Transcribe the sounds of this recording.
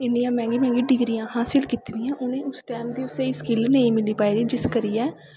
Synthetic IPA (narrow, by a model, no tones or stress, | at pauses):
ɪnːijãːmɛ̃ːŋɡiːmɛ̃ːŋɡiːɖɪɡɾijãːɦaːsɪlkiːt̪iniãːʔʊnẽːʊsʈɛːmd̪iːʊt̪ːeːiskɪlnəĩːmɪliːpaːiːd̪iːd͡ʒɪskəɾiːɛː